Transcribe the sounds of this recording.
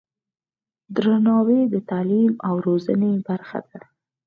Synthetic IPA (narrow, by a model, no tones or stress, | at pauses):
d̪ɾanɑwed̪ət̪alimawɾozanebaɾxa̰d̪a